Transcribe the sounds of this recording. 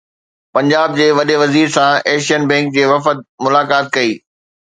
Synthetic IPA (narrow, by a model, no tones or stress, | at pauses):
pɐ̃ɲd͡ʑaːb̚d͡ʑeːʋɐɗeʋɐziːɾsãɛːʃijənbɛ̃ːŋk̚d͡ʑeːʋɐfət̪̚mʊlaːkaːt̪̚kɐiː